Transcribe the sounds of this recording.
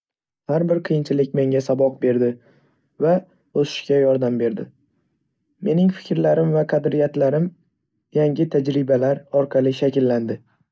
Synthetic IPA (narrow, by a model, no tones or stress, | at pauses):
haɾbɪɾqʰɨjɪnt͡ʃʰɪlɪk̚ʲme̞ŋʲasabɒq̚be̞ɾd̪ɪ | va | osɪ̥ʃkʲajɒɾd̪ambe̞ɾd̪ɪ | me̞nɪŋfɪ̥kʲɾlaɾɪmvaqʰɑd̪ɾɪjat̪laɾɪm | jaŋʲɪt̪ʰad͡ʒɾɪbalaɾɒɾqʰɑlˠɪʃakʲɪlːand̪ɪ